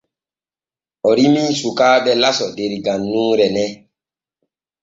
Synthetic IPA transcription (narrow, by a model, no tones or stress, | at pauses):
ɔɾimĩsukaːdɛlasɔdeɾiɡãnːũːɾɛnɛ